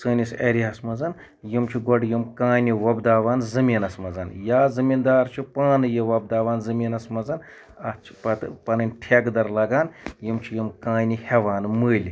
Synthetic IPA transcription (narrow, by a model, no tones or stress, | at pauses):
səːnʲiseɾiɦɐsmɐzɐn | jimt͡ʃʰiɡɔɖjimkãːniʋɐbd̪aːʋaːnzɨmiːnɐsmɐzɐnjaːzɨmiːnd̪aːɾt͡ʃʰipaːnɨjiʋɐb̚d̪aːʋaːnzɨmʲiːnɐsmɐzɐn | ɐt͡ʃʰi̥pɐt̪pɐnɨnʲʈʰeɡd̪ɐɾlɐɡaːnjimt͡ʃʰijimkãːniheʋaːnməːlʲ